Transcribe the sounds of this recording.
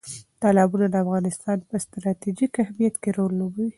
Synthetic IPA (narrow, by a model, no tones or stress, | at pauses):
t̪ɑlɑbunad̪əafɣɑnɪst̪ɑnpəst̪ɾɑt̪id͡ʒikahmijat̪keɾolːobəwi